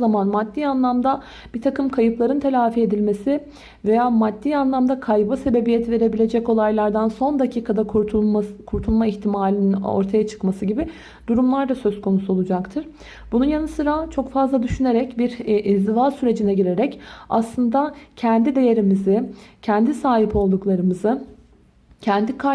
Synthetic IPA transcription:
zamanmad̪ːiːanlˠamd̪a | b̥it̪ʰakɯmkʰajɯplˠaɾɯnt̪ʰe̞lʲaːfie̞d̪ilʲme̞sɪ | ve̞jaːmad̪ːiːanlˠamd̪akʰajbɯse̞be̞bijet̪ʰve̞ɾe̞bilʲe̞d͡ʒɛco̞lˠajlˠaɾd̪anso̞nd̪acʰiːkʰad̪ak | kʰuɾt̪ʰulˠmaiçt̪ʰimaːlʲinino̞̰ɾt̪ʰajat͡ʃʰɯ̥kmasɯɟibɪ | d̪̥uɾumlˠaɾd̪asø̞zkʰo̞nusuo̞lˠud͡ʒakt̪ʰɯɾ̥ | bununjanɯsɯɾat͡ʃʰo̞kfazlˠad̪yʃyne̞ɾɛcbiɾizd̪ivasyɾe̞d͡ʒinɛɟiɾe̞ɾɛca̰slˠɯnd̪acʰɛnd̪id̪e̞je̞ɾimizɪcʰɛnd̪isaːɦipo̞lˠd̪uklˠaɾɯmɯzɯ | cʰɛnd̪ikʰa

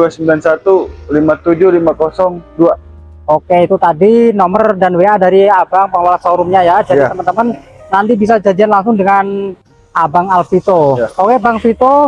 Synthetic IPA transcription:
duasəmbilansat̪ulimat̪ud͡ʒʊlimakɔsɔŋdua | okeit̪ut̪adinɔmərdanweadaɾiabaŋpəŋwalasəoɾʊmɲajad͡ʒadit̪əmənt̪əmənː | ant̪ibisad͡ʒadianlaŋsʊŋdəŋan | abaŋalfit̪ookebaŋfit̪o

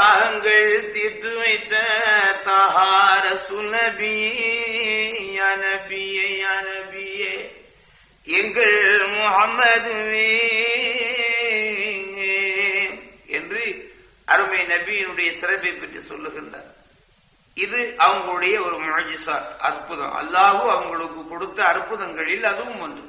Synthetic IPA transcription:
aːɣɐŋɡɐɭt̪ɪt̪ːɯʋɐɪt̪ːɐt̪aːɦaːɾɐsuːlnɐbɪj | jaːnɐbɪjɐjaːnɐbɪje | ɛŋɡɐɭmʊhɐmːɐd̪ʋe | ɛndrɯ | ʔɐɾɯmɐjnɐbɪjɪnɯɽɐjɐsɪɾɐpːɐɪpːɐʈːrisɔ̰lːɯɣɪndra̰ːɾ | ɪðɯʔɐʋɐŋɡɐɭɯɽɐjɐɔɾɯmʊʕd͡ʒɪsaːt̪ɐ̰ɾpːɯðɐ̰̃ʔɐ̰lːaːɣɯ̃ɐʋɐŋɡɐɭɯkːɯkːɔɽɯt̪ːɐːɾɯpːʊðɐŋɡɐɭɪlːɐːðɯʋɯmʋɐnd̪ɯ

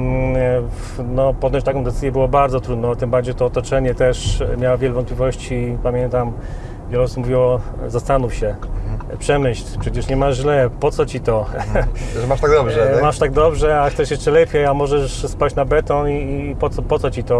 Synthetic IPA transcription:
nɔpɔd̪nɔɲt͡ɕt̪akɔ̃w̃d̪ɛt̪sɘzʲjɛbɘwɔbaɾd̪zɔt̪ɾud̪nɔ̃t̪ɘmbaɾd͡ʑejt̪ɔːt̪ɔt͡ʂɛɲɛt̪ɛʂmʲjawavʲjɛlɛvɔnt̪̚plʲivɔɕt͡ɕipamʲjɛnt̪am | vʲjɛlɔsumuvʲiwɔzast̪anuwɕɛpʂɛmɘɕlpʂɛt͡ɕɛʂɲɛmaʑlɛpɔt̪sɔt͡ɕit̪ɔ | maʃt̪aɡd̪ɔbʐɛmaʂt̪aɡ̚d̪ɔbʐɛaxt̪sɛʂjɛsʂt͡ʂɛlɛpʲjɛamɔʐɛʂspat͡ɕnabɛt̪ɔnipɔt̪sɔpɔt̪sɔt͡ɕit̪ɔ

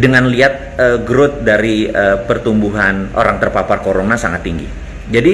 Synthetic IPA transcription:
dəŋanliat̪̚əɡɾʊt̪̚daɾiəpərt̪umbuɦanʔo̰ɾaŋt̪ərpaparkoɾonasaŋat̪ːiŋɡḭ | d͡ʒadi

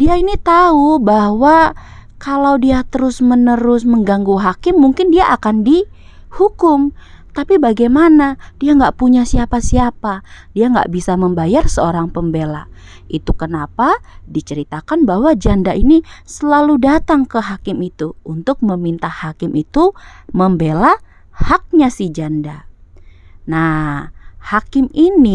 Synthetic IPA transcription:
diainit̪aubahwa | kalawdiat̪əɾʊsmənəɾʊsməŋɡaŋɡuɦakɪmːuŋkɪndiaʔakandi | hukʊmt̪apibaɡajmanad̥iaŋɡaʔpuɲasiapasiapadiaŋɡa̰ʔbisaməmbajarsəoɾaŋpəmbela̰ | it̪ukənapadit͡ʃəɾit̪akanbaɦwad͡ʒandainisəlaludat̪aŋkəɦakɪmit̪uunt̪ʊk̚məmint̪ahakɪmʔit̪uməmbela | hak̚ɲasihd͡ʒanda | na | hakɪmini

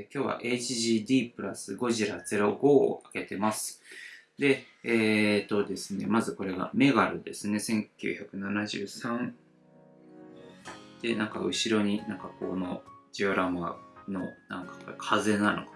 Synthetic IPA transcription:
kʲo̞ːβa̰ʔet͡ɕiʑiːd̪ʲiːpɯ̟ɾasɨɡo̞ʑiɾad͡ze̞ɾo̞ɡo̞ːake̞t̪e̞masɨ̥d̪e̞ | eːt̪o̞d̪e̞sɨne̞mazɨko̞ɾe̞ɡa̰me̞ɡaɾɯ̟d̪e̞sɨne̞sẽ̞ŋkʲɨ̰ːçakɯ̟nanaʑɨ̰ːsãɴ | d̪̥e̞nãŋka̰ɯ̟ɕiɾo̞ɲ̟inãŋkakono̞d͡ʑioɾamano̞nãŋkḁkʰaze̞nːano̰ka

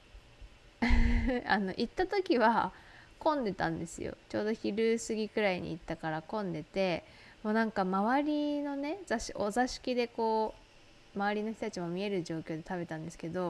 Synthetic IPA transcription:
a̰no̞̰ʔit̪ːat̪o̞kʲiβakõ̞nd̪e̞t̪ã̰nd̪e̞sɨ̰jo̰t͡ɕo̞ːd̪o̞çiɾɯ̟sɨɡʲikɯ̟ɾaiɲ̟ḭit̪ːakaɾakõ̞nd̪e̞t̪e̞ | moːnãŋkamaβaɾʲino̞ne̞zaɕiozaɕi̥kʲid̪e̞ko̞ː | maaɾʲino̞çi̥t̪ot̪at͡ɕimo̞mʲie̞ɾɯ̟ʑo̞ːkʲo̞ːd̪e̞t̪abe̞t̪ãnd̪e̞sɨ̥ke̞d̪o̞

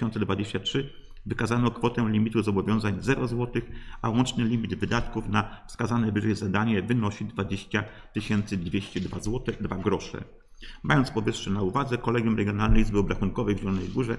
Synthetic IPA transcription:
ɔnt̪sɛd̪vad͡ʑeɕt͡ɕatʂɘ | vɘkazanɔkfɔt̪ɛ̃lʲimʲit̪uzɔbɔvʲjɔ̃w̃zaɲzɛɾɔzwɔt̪ɘxʔawɔnt͡ʂnɘlʲimʲid̪vɘd̪at̪kufnafskazanɛvɘʐɛjzad̪aɲɛvɘnɔɕid̪vad͡ʑeɕt͡ɕa | t̪ɘɕɛnt̪sɘd̪vʲjeɕt͡ɕɛd̪vazwɔt̪ɛd̪vaɡɾɔʂɛ̰ | majɔnt̪spɔvɘʂʂɛnauvad̪zɛkɔlɛɡʲjumɾɛɡʲjɔnalnɛjzbɘɔbɾaxunkɔvɛjvʑɛlɔnɛjɡuʐɛ

